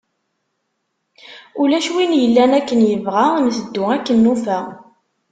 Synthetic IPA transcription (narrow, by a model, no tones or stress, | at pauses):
ulæʃwinjəlːænækːənjəvʁamθəd̪ːʊækːənːufæ